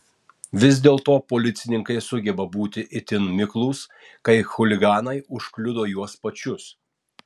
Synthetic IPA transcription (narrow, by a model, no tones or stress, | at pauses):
ʋʲɪz̬ʲd̪ʲeːlˠt̪oːpoːlʲɪt̪sʲɪnʲɪŋkɐɪsʊɡʲɛbɐbuːt̪ʲɪʔɪt̪ʲɪnmʲɪklˠuːs | kɐɪxʊlʲɪɡɑːnɐɪʊʃklʲʊd̪oːjuɔspɐt͡ʃʲʊs